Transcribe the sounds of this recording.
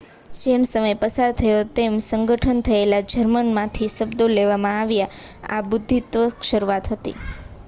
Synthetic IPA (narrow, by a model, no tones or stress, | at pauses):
d͡ʒemsəməjpəsaɾt̪ʰəjot̪emsəŋɡʱəʈʰənt̪ʰəelad͡ʒəɾmənmãt̪ʰisəbd̪oleʋamãaʋjaabʊd̪ʱːit̪ʋəkʃəɾuat̪ɦət̪ḭ